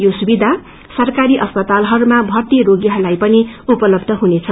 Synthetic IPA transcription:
josubid̪ʱa | sʌrkaɾiʔʌspʌt̪alɦʌɾumabʱʌrt̪iɾoɡjaɦʌrlajpʌniupʌlʌbd̪ʱʌɦunet͡sʰʌ

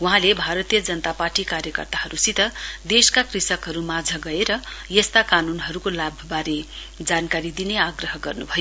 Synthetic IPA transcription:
wuɦãlebʱaɾʌt̪ijʌd͡zʌnʌt̪aparʈikaɾjʌkʌ̰rt̪aɦʌɾusit̪ʌd̪eskakrisʌkɦʌɾumad͡zʱʌɡʌeɾʌjʌst̪akanunɦʌɾukolabʱʌbaɾe | d͡zankaɾid̪ineaɡrʌɦʌɡʌrnubʱʌjo

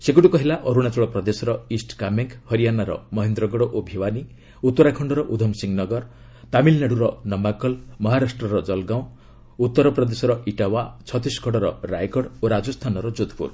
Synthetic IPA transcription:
seɡuʈukɔɦilaʔɔɾuɽ̃at͡ʃɔɭɔpɾɔd̪esɔɾɔisʈkameŋkhɔɾijanaɾɔ̰mɔɦend̪ɾɔɡɔɽoʔobʱiwani | ut̪ːɔɾakʰɔɳɖɔɾɔʔud̪ʱɔmsiŋɡnɔɡɔɾ | t̪amilneɽuɾɔnɔmakɔlmɔɦaɾasʈrɔɾɔd͡ʒɔlɡaw̃ | ut̪ːɔɾɔpɾɔd̪esɔɾɔʔiʈawat͡ʃʰɔt̪iskʰɔɽɔɾɔɾajkɔɽoɾad͡ʒust̪ʰanɔɾɔd͡ʒud̪ʱpṵɾ

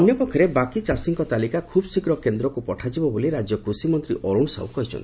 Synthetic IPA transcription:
ɔnjɔpɔkʰːɔɾebakit͡ʃasiŋkɔt̪alikakʰubsikɾɔkend̪ɾɔkupɔʈʰad͡ʒibɔboliɾad͡ʒjɔkɾusimɔnt̪ɾiʔɔɾuɳsa̰wkɔɦit͡ʃʰɔ̰nt̪i

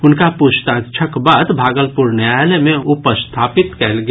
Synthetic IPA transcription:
ʊnkapust̪ãt͡ʃʰəkbaːd̪bʱaːɡəlpuɾnjalemẽupəst̪ʰaːpit̪kɛlɡ

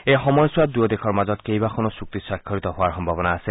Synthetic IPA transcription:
ejxɔmɔjswadujɔd̪exʰɔɹmazɔtkejbakʰɔnɔsuk̚t̪isakʰːɔɹit̪ɔɦʊaɹxɔmbʱabɔnaːsɛ

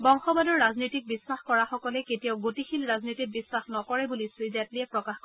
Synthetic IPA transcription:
bɔŋxɔbadɔɹːaznitik̚bisːaxkɔɹaxɔkɔlɛketijaʊɡotixʰilɹaznitik̚bisːaxnɔkɔɹɛbulisɹizatliɛpɹɔkaxk

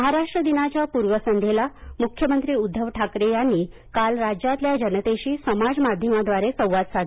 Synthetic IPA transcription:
məɦaɾaʂʈɾəd̪inat͡ɕjapuɾʋəsənd̪ʱelamukʰjəmənt̪ɾiːud̪ʱːəʋʈʰakɾejanːiː | kalɾad͡ʑat̪ljad͡ʑənət̪eɕiːsəmad͡zmad̪ʱjəmad̪ʋaɾesə̃w̃ʋat̪sad̪

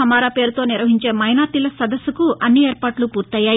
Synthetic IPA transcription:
ɐmaːɾaːpe̞ːɾut̪o̞ːniɾʋɐɦiɲt͡ʃe̞ːmɐjnaːt̪ilɐsɐd̪ɐsːukuʔɐnːieːɾpaːʈlupuːɾt̪ɐjːaːji

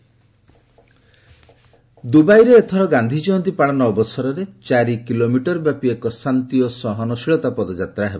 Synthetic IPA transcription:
d̪ubajɾeːt̪ʰɔɾɔɡand̪ʱid͡ʒɔɔnt̪ipaɭɔnɔbɔsɔɾɔɾet͡ʃaɾikilomiʈɔɾbjapiekɔsant̪iɔsɔɦɔnɔsiɭɔt̪apɔd̪ɔd͡ʒat̪ɾaɦebɔ

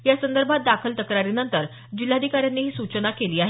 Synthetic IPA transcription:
jasənd̪əɾbʱat̪̚d̪akʰəlt̪əkɾaɾinənt̪əɾ | d͡ʑilad̪ʱikaɾjanːiːɦiːsut͡ɕənakeliːaɦe

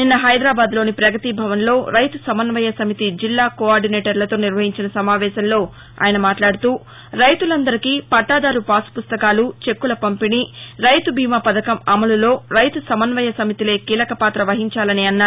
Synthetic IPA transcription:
ninːɐɦɐjd̪ɾaːbaːd̪lo̞ːnipɾɐɡɐt̪ibʱɐʋɐnlo̞ːɾɐjt̪usɐmɐnʋɐjɐsɐmit̪id͡ʒilːaːkoaːɾɖineːʈɐɾlɐt̪oːniɾʋɐɦiɲt͡ʃinɐsɐmaːʋɛːʃɐmlo̞ː | a̰ːjɐnɐmaːʈlaːɽut̪uː | ɾɐjt̪ulɐnd̪ɐɾikiːpɐʈːaːd̪aːɾupaːsu̥pust̪ɐkaːlut͡ʃe̞kːulɐpɐmpiniɾɐjt̪ubʱiːmaːpɐd̪ɐkɐmɐmɐlulo̞ːɾɐjt̪usɐmɐnʋɐjɐsɐmit̪ile̞ːkiːlɐkɐpaːt̪ɾɐʋɐɦiɲt͡ʃaːlɐniɐnːaː

